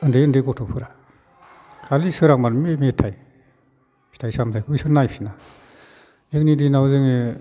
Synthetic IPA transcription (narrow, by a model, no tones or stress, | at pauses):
ɯndeɯndekɔtʰɔpʰɯɾa | kʰalisɯɾak̚manmemetʰːaj | i̥tʰajsamtʰajkʰubisɯnajpʰina | ek̚nidinawzɯŋe